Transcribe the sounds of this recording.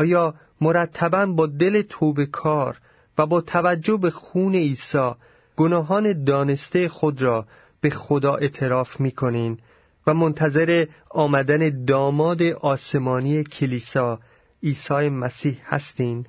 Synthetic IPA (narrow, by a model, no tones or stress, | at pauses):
ɒːjɒː | mo̞ɾæt̪ʰːæbænbɒːd̪e̞le̞t̪ʰoːbe̞kʰɒːɾ | væbɒːt̪ʰævæd͡ʒːo̞be̞xuːne̞iːsɒː | ɡ̥onɒːɦɒːne̞d̪ɒːne̞st̪ejexod̪ɾɒː | b̥e̞xod̪ɒːʔe̞t̪ʰe̞ɾɒːfmiːkʰo̞niːn | væmo̞nt̪ʰæze̞ɾe̞ɒːmæd̪æne̞d̪ɒːmɒːd̪e̞ʔɒːse̞mɒːnijecʰeliːsɒː | iːsɒːje̞mæsiːhhæ̰st̪iːn